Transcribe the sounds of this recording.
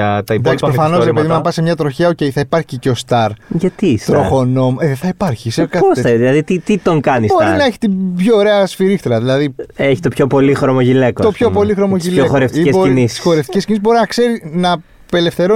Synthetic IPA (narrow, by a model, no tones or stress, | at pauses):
ɐt̪ɐid̪ɐksipɾofɐno̞sɾepeðimeɐpɐsemɲɐt̪ɾo̞çeɐoce̞jθɐipɐɾçiceost̪ɐɾʝɐt̪ist̪ɾo̞xo̞no̞meðeθɐipɐɾçisekɐosɐðilɐðit̪it̪it̪o̞ŋkɐnisbo̞inɐeçi̥t̪ibçoːɾe̞ɐsfiɾixt̪ɾɐðilɐðieçi̥t̪o̞pçopo̞lixɾomoʝilekot̪opço̞po̞lixɾo̞mo̞ʝileoxoɾeft̪iieinisi̥sxo̞ɾeft̪ices̬ciniszbo̞ɾinɐkse̞ɾinɐ | pe̞le̞fθe̞ɾo